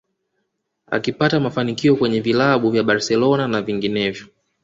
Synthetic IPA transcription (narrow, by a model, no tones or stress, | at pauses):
a̰kipatamafanikiɔkwɛɲɛvilaɓuvjaɓaɾsɛlɔnanaviŋɡinɛvjɔ